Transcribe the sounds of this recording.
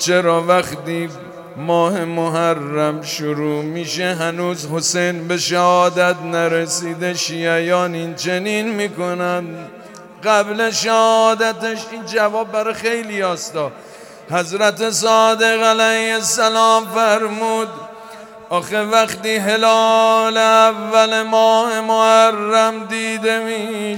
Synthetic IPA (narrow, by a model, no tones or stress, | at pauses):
t͡ʃʰe̞ɾɒːvæχt̪iː | mɒːhe̞moɦærːæmʃoɾuːmiːʃe̞ɦænuːzho̞sejnbe̞ʃæhɒːd̪æt̪næɾesiːd̪e̞ʃiːæjɒːnint͡ʃʰe̞niːnmiːko̞næd̪ | ɢæbleʃæhɒːd̪æt̪eʃind͡ʒævɒːb̚ːæɾɒxe̞jliɒːst̪ɒː | hæzɾæt̪e̞sɒːd̪e̞ɣælæjhesælɒːmfæɾmuːd̪ | ʔɒːxevæχt̪iːɦe̞lɒːle̞ævːæle̞mɒːhe̞mohærːæmd̪iːd̪e̞miː